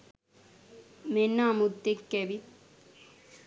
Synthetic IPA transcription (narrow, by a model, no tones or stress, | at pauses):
menːamut̪ːekːebi